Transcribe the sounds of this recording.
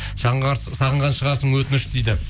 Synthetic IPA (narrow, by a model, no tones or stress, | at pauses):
sɑʁəɴʁɑnʃəʁɑɾsəɴwɵt̪ɪnɪʃd̪ejd̪ɪ